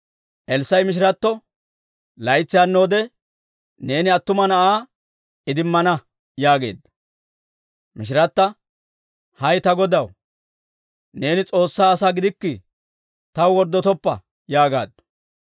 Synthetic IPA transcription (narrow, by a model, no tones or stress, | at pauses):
ʔɛlsːɐjmɪʃ̬ɪɾɐt̪ːɔ | lɐjt͡sːɪjanːo̞ːd̪ɛ | ne̞ːnɪɐt̪ːʊmɐnɐʔaː | ʔɪd̪ɪmːɐnɐ | jaːɡe̞̰ːd̪ɐ | mɪʃ̬ɪɾɐt̪ːɐ | hɐjt̪ɐɡɔd̪ɐw | ne̞ːnɪt͡sʼo̞ːsːaːsaːɡɪd̪ɪkːɪ | t̪ɐwwɔɾd̪ːɔt̪ɔpːɐ̰ | jaːɡa̰ːd̪